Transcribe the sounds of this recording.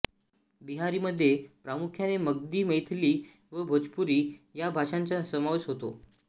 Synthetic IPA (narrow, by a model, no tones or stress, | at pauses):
biɦaɾiːməd̪ʱːjepɾamukʰjaneməɡ̚d̪iːməjt̪ʰliː | ʋəbʱod͡zpuɾiːjabʱaʂaɲt͡ɕjasəmaʋesɦot̪o̰